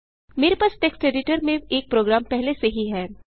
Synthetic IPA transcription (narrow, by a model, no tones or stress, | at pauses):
meːɾepasʈeksʈeːɖɪʈəɾmẽeːk̚pɾoːɡɾaːmpɛɦleseɦiɦɛː